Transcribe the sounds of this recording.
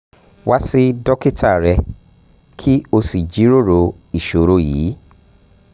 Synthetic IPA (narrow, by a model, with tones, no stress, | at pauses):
wa˦si˦dɔ˦ki˦˨ta˦˨ɾɛ˧ | kʰi˦o˧si˨d͡ʒi˨˦ɾo˦˨ɾo˧ | i˨ʃo˨˧ɾo˧jḭː˨˦